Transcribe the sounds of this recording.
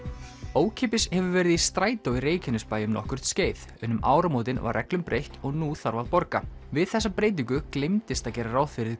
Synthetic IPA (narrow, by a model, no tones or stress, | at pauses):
oːwcʰepɪshɛvʏvɛːɾɪðist̪ɾaːjt̪awiɾeːjcʰɪnʏspaːjʏmnɔ̰hkʏr̥t̪sceːjð | ʏnːʏmʔa̰ːwɾamoːwt̪̬ɪnva̰ɾːɛ̰klʏmpɾʔejht̪ɔɣnuθaɾvaðpɔɾka̰vɪðθɛsːapɾeːjt̪̬iŋkʏklejmt̪ɪst̪aðcɛːɾaɾawfɪɾɪð